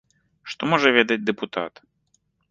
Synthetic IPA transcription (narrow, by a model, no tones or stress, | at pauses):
ʂt̪ɔmɔʐɐvʲɛd̪ɐd͡z̚ʲd̪ɛput̪a̰t̪